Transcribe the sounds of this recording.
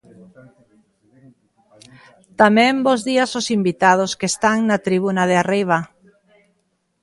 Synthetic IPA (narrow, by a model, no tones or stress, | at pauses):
t̪amɛ̃mbozðiasosimbit̪að̞oskest̪aŋnat̪ɾiβunað̞eariβ̞a